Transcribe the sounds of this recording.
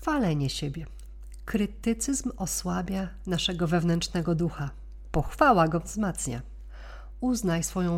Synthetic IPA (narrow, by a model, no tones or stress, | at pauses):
falɛɲɛɕebʲjɛ | kɾɘt̪ɘt̪sɘzmɔswabʲjanaʂɛɡɔvɛvnɛnt͡ʂnɛɡɔd̪uxa | pɔxfawaɡɔvzmat̪sɲa̰ | uznajsfɔjɔ̃w̃